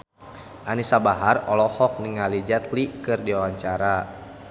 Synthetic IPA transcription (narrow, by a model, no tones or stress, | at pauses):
ʔanisabaɦarɔlɔhɔk̚niŋalid͡ʒat̪likɨrdiawaɲt͡ʃaɾa